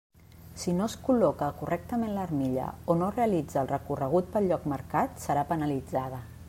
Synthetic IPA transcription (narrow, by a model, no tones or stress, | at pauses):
sinoskulɔkəkurʔɛk̚t̪əmenlərmiʎə̰onoreəlid͡zəːlˠrəkurəɣ̞ut̪̚pəlʎɔkməɾkat̪səɾapənəlid͡zaðə